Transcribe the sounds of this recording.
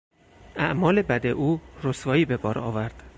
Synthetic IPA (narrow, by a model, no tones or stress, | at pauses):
æʔmɒːle̞bæd̪eʔuːɾosvɒːiːbe̞bɒːɾɒ̰ːvæɾd̪̥